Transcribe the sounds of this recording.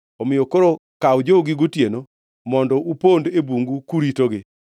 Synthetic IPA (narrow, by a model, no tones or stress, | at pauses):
ɔmɪjokoɾokawd͡ʒoɡɪɡotjeno | mɔndɔupondebuŋɡukuɾitoɡɪ